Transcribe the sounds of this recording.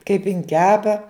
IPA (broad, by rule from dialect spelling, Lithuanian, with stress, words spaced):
kɐɪp ɪn ˈkʲæːpɐ